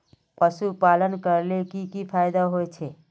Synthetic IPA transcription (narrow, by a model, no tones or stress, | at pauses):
pəsupalənkəɾlekikipʰajd̪aɦojt͡ʃʰe